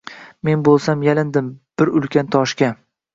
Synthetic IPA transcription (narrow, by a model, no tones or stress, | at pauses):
me̞nbolˠsamjalɪnd̪ɪmb̥ɪɾʊlkʲant̪ʰɒʃkʲa